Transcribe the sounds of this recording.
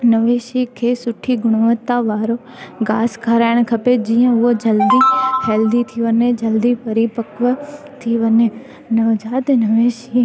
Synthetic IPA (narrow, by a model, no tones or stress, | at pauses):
nɐʋeːʃikʰeːsʊʈʰiɡʊɽ̃oʋət̪ːaʋaːɾo | ɡaːskʰaːɾaːɪɽ̃kʰɐped͡ʑiːə̃ʊɦod͡ʑɐld̪ihɛːld̪it̪ʰiʋɐnẽd͡ʑɐld̪ipɐɾipɐkʋə | t̪ʰiʋɐne | nɐʋd͡ʒaːt̪enɐʋeːʃi